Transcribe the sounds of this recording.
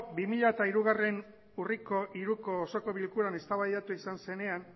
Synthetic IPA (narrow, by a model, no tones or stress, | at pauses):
bimiʎaet̪aiɾuɣare̞n | uriko̞ʔiɾuko̞ːso̞ko̞βilkuɾane̞st̪aβajat̪uisanse̞ne̞an